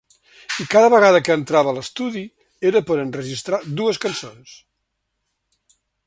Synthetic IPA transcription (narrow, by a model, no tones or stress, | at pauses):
ikaðəβəɣaðəkəːnt̪ɾaβəːləst̪uði | eɾəpoɾənrəʒist̪ɾad̪uəskənsons